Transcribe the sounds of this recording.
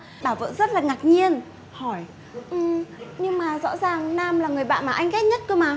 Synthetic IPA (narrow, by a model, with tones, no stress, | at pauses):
ɓaː˧˩wvə̰ː˧˨nzə˦˥t̚laː˨˩ŋa˨˩k̚ɲi˧ən | hɔ˧˩j | ʔɨ˨˩ɲɨ˧ŋmaː˨˩zɔ̰˧˥zaː˨˩ŋnaː˧mlaː˨˩ŋɨ˨˩əjɓa̰ː˧˨nmaː˨˩ʔa˧jŋ̟kɛ˦˥t̚ɲə˦˥t̚kə˧maː˨˩